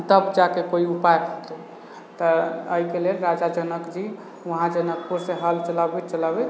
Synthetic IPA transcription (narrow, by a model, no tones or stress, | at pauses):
t̪əbd͡ʒakekoiupajkʰət̪e | t̪əəikelelɾad͡ʒad͡ʒənəkd͡ʒi | ʋəɦãd͡ʒənək̚puɾseɦəlt͡ʃələbet͡ʃələbe